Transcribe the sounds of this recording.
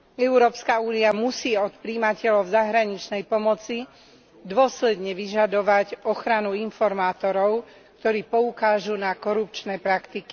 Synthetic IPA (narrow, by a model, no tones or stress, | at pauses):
ɛuɾɔːpskauːniamusiːɔt̪pɾiːmacɛlɔʊzaɦɾaɲit͡ʃnɛjpɔmɔt͡si | d̪ʊɔslɛd̪ɲɛʋiʒad̪ɔʋacɔxɾanuinfɔɾmaːt̪ɔɾɔʊ | kt̪ɔɾiːpɔukaːʒunakɔɾup̚t͡ʃnɛːpɾakt̪iki